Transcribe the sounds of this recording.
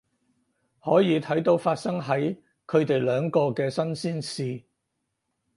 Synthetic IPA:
hɔː˨˥jiː˨˧t̪ʰɐ˨˥jt̪o˨˧˥wfaː˧t̚sɐ˥ŋɦɐ˨˥j | kʰɵ˨˧ɥt̪e˨jlœː˨˧ŋkɔː˧kɛː˧sɐ˥nsiː˥nsiː˨˧

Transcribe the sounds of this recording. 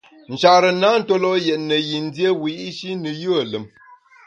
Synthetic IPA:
n̩˨t͡ʃa˨ɾə˨na˦n̩˦to˦lɔ˦jɛ˨ʔnə˨ji˨n̩˦dje˦wi˨˦i˦ʃi˦nɨ˨jə˦ə˨lə˨m

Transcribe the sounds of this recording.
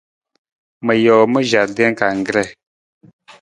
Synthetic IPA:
mə˨jɔː˨mə˦ʒa˨dɛ˦ŋ˦ka˨ŋ˨ɡɾɛ˦˨

